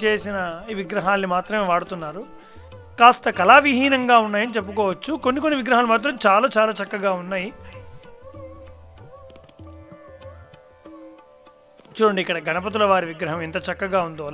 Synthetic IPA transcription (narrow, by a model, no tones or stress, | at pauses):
t͡ʃe̞ːsinɐiʋiɡɾɐɦaːnːimaːt̪ɾɐme̞ːʋaːɽut̪unːaːɾu | kaːst̪ɐkɐlaːʋiɦiːnɐŋɡaːunːaːjɐnit͡ʃe̞p̬ːukɔːʋɐt͡ʃːukonːikonːiʋiɡɾɐɦaːlːnimaːt̪̬ɾɐmt͡ʃaːlaːt͡ʃaːlaːt͡ʃɐkːɐɡaːunːaːji | t͡ʃuːɾɐɳɖikːɐɽɐɡɐɳɐp̬ɐt̪̬ulɐʋaːɾiʋiɡɾɐɦɐmɛnt̪ɐt͡ʃɐkːɐɡaːund̪oː